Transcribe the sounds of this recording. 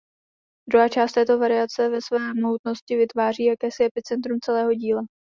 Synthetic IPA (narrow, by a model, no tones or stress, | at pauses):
d̪ɾuɦaːt͡ʃaːst̪ɛːt̪o̞vaɾɪat͡sɛvɛsvɛːmout̪no̞scɪvɪt̪vaːr̝iːjakɛːsɪɛpɪt͡sɛnt̪̬ɾumt͡sɛlɛːɦo̞ɟiːla